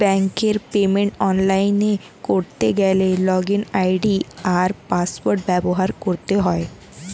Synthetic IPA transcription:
bɛŋkeɾpemeɳʈɔnlajne | koɾt̪eɡɛlelɔɡenajɖiaɾpaspoɾʈ̚bɛboɦaɾkoɾt̪eɦɔe

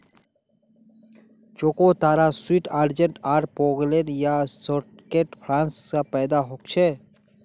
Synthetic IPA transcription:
t͡ʃoːkot̪aːɾaswiʈʰaːɾd͡ʒə̃ɳʈaːɾpoːɡlenjasoʈkeːʈpʰɾãːnsskapɛːd̪aɦoːkt͡ʃʰeː

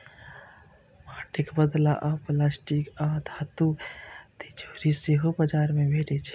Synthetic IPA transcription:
maʈikbəd̪laʔaplasʈikad̪ʱat̪ut̪id͡ʒʱoːɾiseɦobəd͡ʒaɾmebʱeʈɛt͡ʃʰ

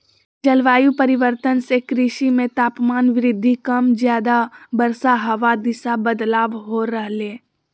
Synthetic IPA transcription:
d͡ʒəlʋaːjupəɾɪʋəɾt̪ənsekɾɪʃimẽt̪aːpmaːnʋɪɾɪd̪ʱːikəmzjaːd̪abəɾsaɦəʋad̪ɪsabəd̪laːʋɦoɾəɦleː

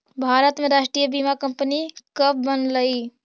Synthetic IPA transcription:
bʱaɾət̪meɾaːʃʈɾijəbimakəmpənikəb̚ːənləi

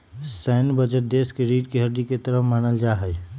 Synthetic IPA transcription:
sɛːnbəd͡ʒəʈ̚d̪eːskeɾiːɖkiɦɐɾd̪iket̪əɾəmaːnəld͡ʒaːɦɛj

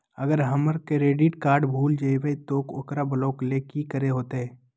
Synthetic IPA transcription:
əɡəɾɦəməɾkeɾeːɖiːʈkaːɾɖbʱuːld͡ʒəiweit̪oːkʊkɾabəloːklekikəɾeɦoːt̪eɦɛː

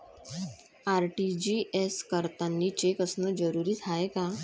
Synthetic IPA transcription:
aɾʈid͡ʑiʔeskəɾt̪anːiːt͡ɕekəsnəd͡zəɾuɾiːt̪ʰaeka

